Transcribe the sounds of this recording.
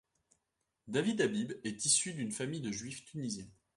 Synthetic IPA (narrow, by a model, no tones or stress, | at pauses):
d̪avid̪abibɛt̪isyd̪ynfamijd̪əʒɥift̪ynizjɛ̃